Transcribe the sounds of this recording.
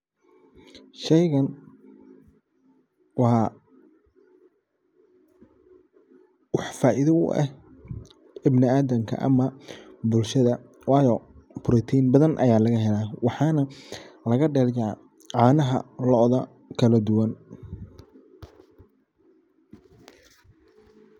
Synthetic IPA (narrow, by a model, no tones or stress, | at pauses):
ʃɛjɣɐn | wɑ | wɑħfaːʔiðɐʊ̰ʔɛ̰h | ɪbnɪaːðɐmkʰɐ̰ʔɐ̰mɐbʊlʃɐðɐ | wɑːjɔbʊɾit̪ʰiːnbɐðɐnʔɐ̰jaːlɐɣɐɦɛlaːwɑħɑːnɐlɐɣɐɖɛːrja | ʕɑːnɐɦɐ̰lɔʔðɐ | kʰɐlɐd̪ʊwɐn